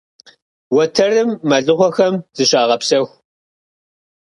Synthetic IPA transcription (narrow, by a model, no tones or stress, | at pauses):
wɐtʰɐrɨmːɐɮɨχʷɔxɐmz̥ɨɕʼaːʁɐpsɐxʷ